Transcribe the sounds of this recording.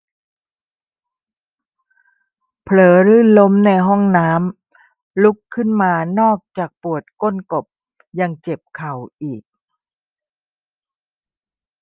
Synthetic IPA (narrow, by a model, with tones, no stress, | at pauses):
pʰlɤː˩˦ɾɯː˥˩lo˦˥mna˧jɦɔ˥˩ŋnaː˦˥m | lu˦˥kʰːɯ˥˩nmaː˧nɔː˥˩k̚t͡ɕaː˨˩k̚pu˨˩ət̪̚ko˥˨nko˨˩p̚ | ja˧ŋt͡ɕe˨˩p̚kʰa˨˩wʔiː˨˩k̚